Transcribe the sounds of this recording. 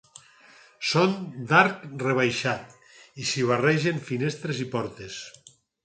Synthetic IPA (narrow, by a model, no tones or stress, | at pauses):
sond̪aɾkreβ̞ajʃat̪ | isiβ̞arɛʒeɱfinest̪ɾezipɔɾt̪es